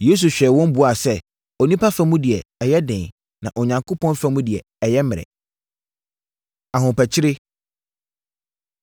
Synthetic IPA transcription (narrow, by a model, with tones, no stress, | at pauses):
je˦s̬u˨ɕᶣɛ˨wɔ̃˦m˦bu˨a˨sɛ˦ | ɔ˨nĩ˦pʰa˦fã˦mũ˦dɪ˨ɛ˨ɛ˨jɛ˦dɪ̃˨ | nã˨ʔɔ˨ɲã˨ŋkʰo˦pʰɔ̃˦nfã˦mũ˦dɪ˨ɛ˨ | ɛ˨jɛ˦mɪ̃˨ɾɛ̰˨ | a˨ɦʊ̃˨pɛ˨t͡ɕʰɪ˦ɾɪ˦